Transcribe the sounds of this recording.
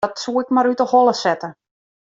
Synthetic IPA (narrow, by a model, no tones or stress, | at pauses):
ɔtsuːɪkmaɾytɔhɔlˠəsɛtə